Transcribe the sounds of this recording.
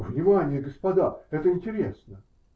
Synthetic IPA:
vnʲɪmanʲɪjəɡəspɐd̪aɛt̪əɪnʲtʲɪɾʲesnə

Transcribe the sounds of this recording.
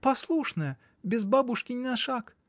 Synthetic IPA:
pɐslˠuʂnəjə | bʲɪzbabʊʂkʲɪnʲɪnɐʂak

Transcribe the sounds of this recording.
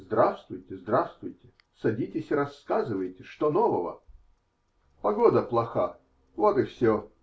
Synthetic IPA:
zd̪ɾast̪vʊjtʲɪzd̪ɾast̪vʊjtʲɪ̥ | sɐdʲitʲɪsʲɪɾɐskazɨvəjtʲɪʂt̪onovəvə̰ | pɐɡod̪əplˠɐxa | vot̪ɨfsʲo

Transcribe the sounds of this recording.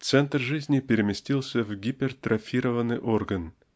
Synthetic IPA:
t̪sɛnt̪rʐɨzʲnʲɪpʲɪɾʲɪmʲɪsʲtʲilˠsʲəvɡʲipʲɪrt̪ɾʔɐfʲiɾəvənːɨjʔo̞rɡən

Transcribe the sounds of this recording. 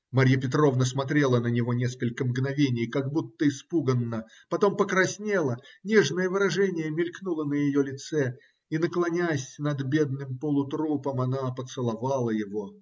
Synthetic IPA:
maɾʲjəp̬ʲɪt̪ɾo̞vnəsmɐt̪ɾʲe̞lˠənənʲɪvo̞nʲe̞skəlʲkəmɡnɐvʲenʲɪjkaɡ̚but̪ːəɪspuɡənːə | pɐt̪o̞mpəkɾɐsʲnʲelˠənʲeʐnəjəvɨɾɐʐɛnʲɪjəmʲɪlʲknulˠənəjɪjolʲɪt̪sɛ | inəklˠɐnʲasʲnɐd̪bʲed̪nɨmpolˠʊt̪ɾupəmɐnapət̪sɨlˠɐvalˠəjɪvo

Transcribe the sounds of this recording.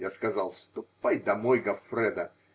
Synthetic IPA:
jaskɐzɑlˠst̪ʊpːajd̪ɐmɔjɡɐfɾɛd̪ɐ

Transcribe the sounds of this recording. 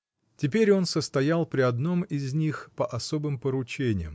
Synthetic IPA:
tʲɪpʲeɾʲo̞nsəst̪ɐjalˠpɾʲɪɐd̪no̞mɪzʲnʲixpəʔɐso̞bɨmpəɾʊt͡ɕenʲɪ̰jəm

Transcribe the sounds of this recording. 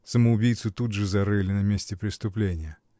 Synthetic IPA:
səməʊbʲijt̪sɨt̪ud̪ʐɨzɐɾɨlʲɪnɐmʲesʲtʲɪpɾʲɪst̪ʊplʲenʲɪjə

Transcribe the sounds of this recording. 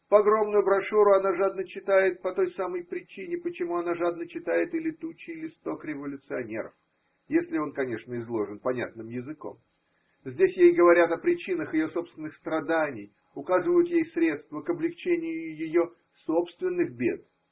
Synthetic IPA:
pɐɡɾo̞mnʊjʊbɾɐʂuɾʊɐnaʐad̪nət͡ɕːɪt̪ajɪt̪̚pɐt̪o̞jsaməjpɾʲɪt͡ɕinʲɪpət͡ɕɪmuɐnaʐad̪nət͡ɕːɪt̪ajɪt̪ɪlʲɪt̪ut͡ɕːɪlʲɪst̪o̞kɾʲɪvəlʲʊt̪sɨɐnʲe̞̰ɾə̰f | jesʲlʲɪo̞nkɐnʲe̞ʂnəɪzlˠo̞ʐɨnpɐnʲa̰t̪̚nɨmjɪzɨko̞̰m | zʲdʲesʲjejɡəvɐɾʲat̪ɐpɾʲɪt͡ɕinəxjɪjo̞so̞pst̪vʲɪnːɨxst̪ɾɐd̪anʲɪj | ʊkazɨvəjʊt̪jejsɾʲe̞t̪st̪vəkəblʲɪkt͡ɕenʲɪjʊʊjɪjo | so̞pst̪vʲɪnːɨxbʲe̞̰d̪

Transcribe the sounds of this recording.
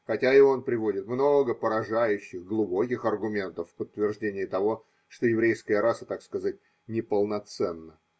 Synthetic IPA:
xɐtʲaɪo̞npɾʲɪvo̞dʲɪt̪mno̞ɡəpəɾɐʐajʉɕːɪxɡlˠʊbo̞kʲɪxɐrɡʊmʲe̞nt̪əfːpət̪ːvʲɪrʐdʲenʲɪjɪt̪ɐvo̞ | ʂt̪ojɪvɾʲejskəjəɾasət̪akskɐzat̚ʲ | nʲɪpəlˠnɐt̪sɛnːə

